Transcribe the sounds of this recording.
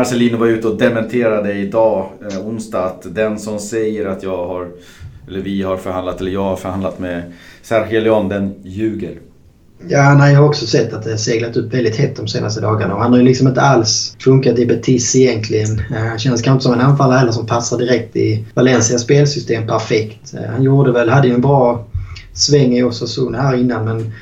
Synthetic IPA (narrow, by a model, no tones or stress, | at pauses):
maɾsɛliːnʊvaɾʉ̟ːt̪əɔd̪ɛmɛnt̪ʰeːɾad̪əɪd̪ɑːʊnst̪ɑːt̪d̪ɛnsɔmsɛjəɾat̪ʰjɑːɡhaɾ | ɛlːəɾvɪhaɾfœɾhand̪lat̪ɛlːəjɑːɡhaɾfœɾhand̪at̪mɛsæɾxɛlɪɔnd̪ɛnjʉ̟ːɡəɾ | jaːnæɪjɑhaɾɔksɔsɛt̪ːat̪̚d̪ɛhæseːɡlat̪ɵpːvɛld̪ɪt̪hɛt̪̚ːd̪ɔmseːnast̪əd̪ɑːɡaɳa̰ɔhanhaɾjʏlɪksɔmɪnt̪əalsfɵŋkat̪ɪbɛt̪ʰɪsɪjɛnt̪ʰlɪɡənɕɛnəskʰanɪnt̪əsɔmɛnanfalːaɾhɛlːəʂ̬ɔmpʰasːad̪ɪɾɛk̚t̪ɪ̰valɛnsɪaspeːlsʏst̪eːmpʰæɾfɛkt̪hanjuːd̪əvɛld̪had̪ːəjɵɛnbɾɑː | svɛŋːɪɔsasuːnhæːɾɪnːanmɛn